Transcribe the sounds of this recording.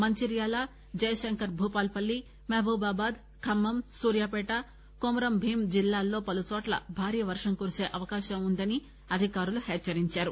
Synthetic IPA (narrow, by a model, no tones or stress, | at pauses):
mɐɲt͡ʃiɾjaːlaː | d͡ʒɐjɐʃɐŋkɐɾbʱuːpaːlpɐlːi | meːbʱuːbaːbaːd̪ | kʰɐmːɐmsuːɾjaːpɛːʈa | komɾɐmbʱiːmd͡ʒilːaːlːo̞ːpɐlut͡ʃɔːʈlɐ̰bʱaːɾiːjɐʋɐɾʂɐŋkuɾuse̞ːʔɐʋɐkaːʃɐmund̪ɐni | ɐd̪ʱikaːɾuluhɛːt͡ʃːɐɾiɲt͡ʃaːɾu